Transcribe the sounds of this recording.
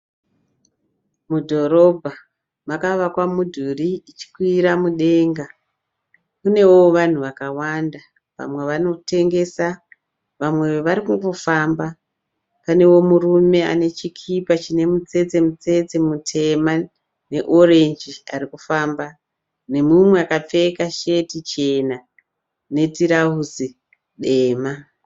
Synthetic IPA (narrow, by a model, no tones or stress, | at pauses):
mudʱo̞ɾo̞bʱa | makaʋakwamudʱuriːt͡ʃi̥kwiɾamuɗe̞ːŋɡa | kune̞woʋan̤uʋakawanda | ʋa̰mwe̞ʋano̞te̞ŋɡe̞sa | ʋamwe̞ʋaɾikuŋɡo̞famba | pane̞wo̞murume̞a̰ne̞t͡ʃikʰipat͡ʃine̞mut͡se̞d͡ze̞mut͡se̞d͡zemutʰe̞ma | ne̞ʔore̞nd͡ʒiarikufaːmba | ne̞mumwe̞akap͡fe̞kaʃe̞tit͡ʃe̞na | ne̞tiɾaɦuzi | ɗe̞ːma